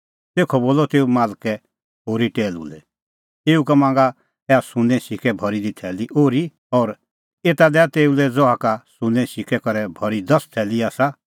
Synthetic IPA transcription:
t̪eːkʰɔboːlɔt̪eːumaːlkɛ | ɦoːɾiʈeːlṵlɛ̰ | eːukamãːŋɡa | ɛasʊ̃nɛ̃sɪkɛbʱɔɾid̪it̪ʰɛːliʔoːɾi | ɔːɾ | eːt̪ad̪ɛat̪eːulɛd͡zɔakasʊ̃nɛ̃sɪkɛkɐɾɛbʱɔɾid̪ɐst̪ʰɛːliaːsa

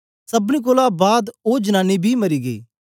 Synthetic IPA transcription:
səbnĩːk̬oːlãːbaːd̪oːd͡ʒənaːniːbʱiːmɐɾiːɡəiː

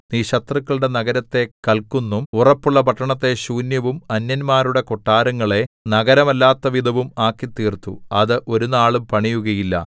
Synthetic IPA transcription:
niːɕɐt̪rɐkːɐɭɽe̞nɐɣɐɾɐt̪ːe̞kɐlkunːumurɐpːuɭːɐpɐʈːɐɳɐt̪ːe̞ɕuːnjɐʋumɐnjɐnmaːɾuɽe̞koʈːaːɾɐŋːɐɭe̞nɐɣɐɾɐmɐlːaːt̪ːɐʋid̪ʱɐʋumaːkːit̪ːiːrt̪ːṵɐðɨʔo̞ɾunaːɭumpɐɳijuɣɐjilːɐ̰

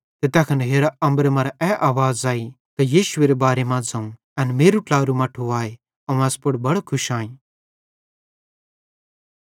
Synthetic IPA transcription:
t̪et̪ɐkʰɐnɦeːɾaɐ̃mbəɾmɐ̃ɾɛʔaːʋaːzaːi | t̪ɐjiːʃʊeɾebaːɾemãd͡zɐ̃ũ | ɛnmeːɾuʈlaːɾumɐʈʰuaːe | ɐ̃ɛspʊɽbɐɽokʰʊʃãːĩː

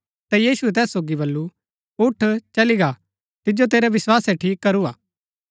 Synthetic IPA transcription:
t̪ɛjiːsuɛt̪̬ɛːsːoːɡibɐlːu | ʊʈʰt͡ʃɐliɡa | t̪ɪd͡ʒot̪eːɾɛʋɪswaːsɛʈʰiːkːɐɾuaː

